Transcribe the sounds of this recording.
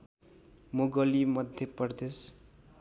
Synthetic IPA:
moɡʌlimʌd̪ʱjʌpʌrd̪es

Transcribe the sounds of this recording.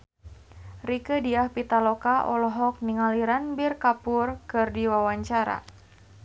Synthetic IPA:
rikədiahpit̪alɔkaʔɔ̰lɔɦɔk̚niŋaliɾanbirkapʊrkɨrdiwawaɲt͡ʃaɾa̰

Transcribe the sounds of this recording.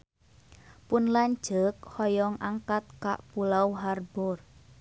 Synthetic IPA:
pʊnlaɲ̥d͡ʒək̚hɔjɔŋʔaŋkat̪̚ka̰ʔpulawɦarb̥ɔr

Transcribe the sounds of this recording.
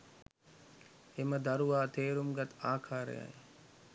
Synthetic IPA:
eməd̪aɾuʋaːt̪eːɾumɡat̪aːkʰaːɾə̰ja̰j

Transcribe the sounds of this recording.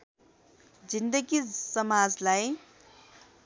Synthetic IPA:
d͡zind̪əɡisʌmad͡zlaj

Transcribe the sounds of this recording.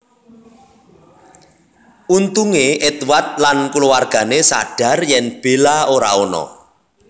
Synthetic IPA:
ʔunt̪uŋeʔet̪wat̪̚lankuluwarɡ̥a̤nesa̰ɖ̥ä̤rjɛnb̥e̤laoɾa̰onɔ̰

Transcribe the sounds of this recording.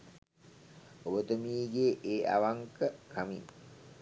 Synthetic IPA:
obət̪əmiːɡeːʔeːa̰ʋaŋkəkʰamḭn

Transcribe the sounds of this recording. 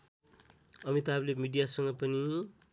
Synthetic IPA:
ʌmit̪ʌʌblemiɖijasʌŋɡʌpʌni

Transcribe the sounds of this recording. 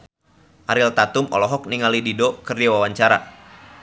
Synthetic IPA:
ʔaɾilt̪at̪ʊmɔ̰lɔɦɔk̚niŋalididokɨrd͡ʒawawaɲt͡ʃaɾa̰

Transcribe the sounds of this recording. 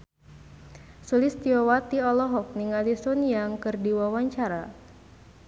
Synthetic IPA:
sulɪst̪iɔwat̪iɔlɔɦɔk̚niŋalisunjaŋkɨrdiwawaɲt͡ʃaɾa

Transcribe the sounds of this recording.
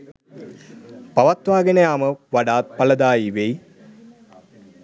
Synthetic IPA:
pɐʋɐt̪ʋaːɡɐnɐjaːməʋɐɽaːt̪̚pɐlɐd̪aːjiʋej

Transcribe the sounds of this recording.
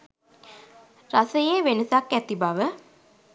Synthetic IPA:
rasəjeʋenəsakːæt̪ibaʋə

